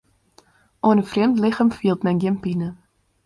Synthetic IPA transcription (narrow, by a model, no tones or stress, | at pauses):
ʔoənəfrɪmtlɪxəmfiəlˠtmɛjnɡɪnpinə